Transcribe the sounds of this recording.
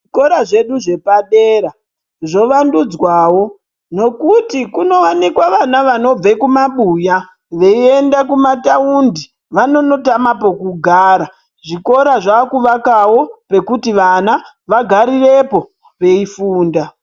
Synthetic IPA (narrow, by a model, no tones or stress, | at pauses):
ʐiko̞ɾaʐe̞ɗuʐe̞paɗe̞ːɾa | ʐo̞ʋandud͡zwawo̞ | no̞kutikuno̞wanikwaʋanaʋano̞b͡vekumaɓuja | ʋe̞ie̞ndakumataundi | ʋano̞no̞tamapokuɡʱaːɾa | ʐiko̞ɾaʐaːkuʋakawo̞pe̞kutiʋana | ʋaɡʱaɾire̞po̞ | ʋe̞ifuːnda